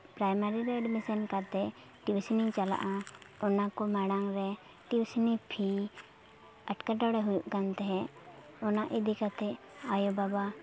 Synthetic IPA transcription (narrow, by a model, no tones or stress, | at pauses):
pɾajmaɾiɾɛəɖmisənkat̪ɛ | ʈiwsnit͡ʃala̰ʔaɔnakɔmaɽaŋɾɛ | ʈiwsnipʰi | əʈkaʈɔɽɛɦujuʔkant̪ɛɦɛ̃ | ɔnaʔid̪ikat̪ɛ | ajobaba